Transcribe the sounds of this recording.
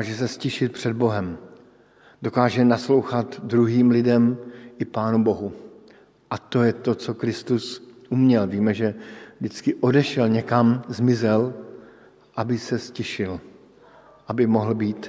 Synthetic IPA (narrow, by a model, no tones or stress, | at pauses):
ʒɛsɛscɛʃɪt̪̚pr̝̥ɛd̪̚bo̞ɦɛm | do̞kaːʒɛnaslo̞wxat̪dɾuɦiːmlɪdɛmʔɪpaːnubo̞ɦu | ʔat̪o̞jɛt̪o̞t͡so̞kɾɪst̪usʔumɲɛlviːmɛʒɛvdɪt͡skɪʔo̞dɛʃɛlɲɛkamzmɪzɛl | ʔabɪsɛscɛʃɪl | ʔabɪmoɦl̩biːt̪